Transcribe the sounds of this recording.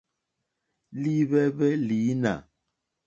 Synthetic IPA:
li˦bɛ˦bɛ˦li˨˦na̰˨

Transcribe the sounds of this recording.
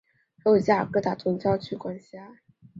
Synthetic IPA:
ʂo˥˧ʊt͡ɕja˥˩kɤ˥t̪a˨˩t̪ʰʊ˧˥ŋt͡ɕjɑ˥ʊt͡ɕʰy˥˩kwa˥nɕja˥

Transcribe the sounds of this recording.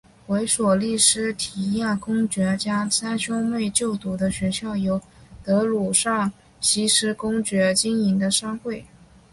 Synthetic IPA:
we˧˥ɪʂwɔ˨˩li˥˩ʂɻ̩˥t̪ʰi˧˥ja˥˩kʊ˥ŋt͡ɕɥɛ˧˥t͡ɕja˥sa˥nɕjʊ˥ŋme˥˧ɪt͡ɕjo˥˩ʊt̪u˧˥d̪ə˧ɕɥɛ˧˥ɕjɑ˥˩ʊjo˧˥ʊ | t̪ɤ˧˥lu˨˩ʂɑ˥˩ŋ | ɕi˧˥ʂɻ̩˥kʊ˥ŋt͡ɕɥɛ˧˥t͡ɕi˥ŋi˧˥ŋd̪ə˧ʂɑ˥ŋxwe˥˩ɪ

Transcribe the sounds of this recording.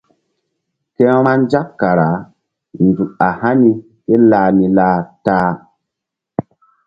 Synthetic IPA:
kɛ̃˦ɾ̃a˦nd͡ʒa˦kkːa˨ɾa˨˦ | n˨du˨ka˨ha˦ni˦ | ke˦laː˨ni˨laː˦ta˦

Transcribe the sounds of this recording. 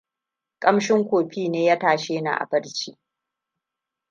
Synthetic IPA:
kʼɐ˦mʃɪ˦ŋkʷoː˨ɸiː˦neː˦ja˦taː˨ʃeː˦na̰ː˨ʔa̰˨bɐ˦ɽt͡ʃiː˦

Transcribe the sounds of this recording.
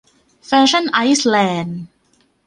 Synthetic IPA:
fɛː˧˥ɕʰa˥˩nʔa˦˥jslɛː˧n

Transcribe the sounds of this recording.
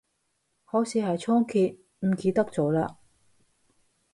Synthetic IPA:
hɔː˨˥siː˨˧hɐ˨jt͡ʃʰɔː˥ŋkʰiː˧t̚ | m̩˨˩ki˧t̪ɐ˥k̚t͡sɔː˨˥la̰ː˧

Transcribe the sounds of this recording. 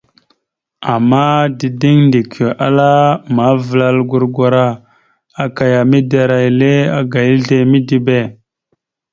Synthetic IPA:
a˨mːa˦di˨di˦ŋndi˨kʰi˨ʔa̰˦la˦ma˨˦və˨la˨lɡu˨ɾɡʷa˨ɾa˦ | a˨ka˨ja˨mi˦da˨ɾa˨jle˦a˦ɡa˨ji˦ɮe˨mi˦di˨be˦˨

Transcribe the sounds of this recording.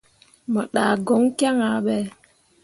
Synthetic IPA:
mə˨ɗa˨ɡo˨˦ŋka˦ŋa˨˦ɓɛ˦

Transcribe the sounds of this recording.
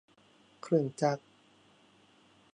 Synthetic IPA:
kʰɾɯ˧˩ə˨ŋt͡ɕa˧˦˥k̚

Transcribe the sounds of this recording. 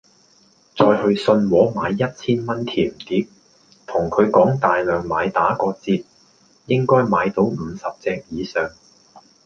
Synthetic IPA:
t͡sɔː˧jhɵ˧ɥsɵ˧nwɔː˨˥maː˨˧jːɐ˥t̚t͡sʰiː˥nmɐ˥nt̪ʰiː˨˩mt̪iː˨˥p̚ | t̪ʰʊ˨˩ŋkʰɵ˨˧ɥkɔː˨˥ŋt̪aː˨jlœː˨ŋmaː˨˧jt̪aː˨˥kɔː˧t͡siː˧p̚ | jɪ˥ŋkɔː˥jmaː˨˧jt̪o˨˧˥wm̩ː˨˧sɐ˨p̚t͡sɛː˧k̚jiː˨˧sœː˨˧ŋ

